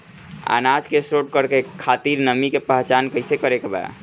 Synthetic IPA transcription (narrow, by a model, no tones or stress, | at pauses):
a̰nad͡ʒkesɾoʈ̚kəɾkekʰat̪iɾnəmikepəɦt͡ʃankəɪsekəɾekeba̰